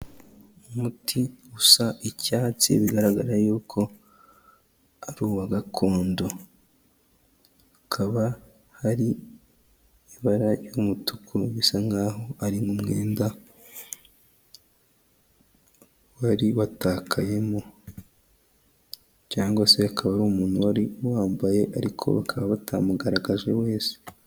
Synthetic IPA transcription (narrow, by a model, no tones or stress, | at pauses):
umutʰiusaʔicaːt͡sḭβiɡaɾaɡaɾajuːkʰo̞ | aɾuːwaɡakʰo̞ːndo̞ | akʰaβa | haɾi | iβaɾajumutukʰuβisaŋɡaːɦoaɾiŋɡumŋe̞ːnda | waɾiwataːkʰaje̞mo | caːŋɡwase̞akaβaɾuːmuːn̥huwaɾiwaːmbaje̞ʔaɾikʰo̞̰βa̰kʰaβaβatʰamuɡaɾaɡaʒe̞we̞ːse̥